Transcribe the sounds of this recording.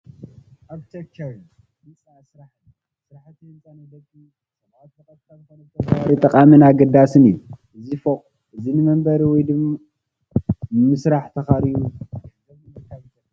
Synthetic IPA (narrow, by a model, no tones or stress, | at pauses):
ʔabt͡ʃʰekt͡ʃːɐɾ | mɨsʼasɾaħn | sɨɾaħt̪ijɨnt͡sʼɐnɐd̪ɐt̪ːi | sʼɐba | ɐbazkʰazkonɐt̪ʰɐt̪ɐaɾit̪ʼɐqʼamɨnaɡɐd̪asɨnijuʔɨzifoqʼ | ʔɨzinɨmɐmbɐɾiwɔjd̪ɨm | mɨsɾaħt̪ʰɐxaɾijuzɐβɨɐk̪ʰːajit̪ɐ